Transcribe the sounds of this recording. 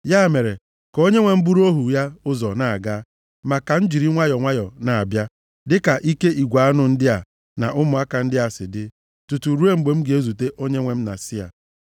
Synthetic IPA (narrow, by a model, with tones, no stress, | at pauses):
ja˦˨me˨ɾe˨ | ko˦ɲe˦ŋʷe˨m̩˦bu˦ɾu˦o˦ɦu˨ja˦ʊ˦zɔ˨na˨a̰˨ɡa˦ | ma˨ka˨n̩˦d͡ʒi˨ɾi˦ŋʷa˦jɔ˨ŋʷa˦jɔ˨na˨a˨bja˦ | dɪ˦ka˨ʔi˦ke˦ʔi˨ɡʷa˨a˦nʊ˨n̩˦dɪ˦a˨ | na̰˨ʔʊ˦mʊ˨a˦ka˨n̩˦dɪ˦a˨sɪ˨dɪ˦ | tu˨tu˨ɾu˦e˦m̩˨ɡ͡be˨m̩˦ɡɪ˨e˦zu˨te˦ʔo˦ɲe˦ŋʷe˨m̩˦na̰˨sɪ˦a̰˨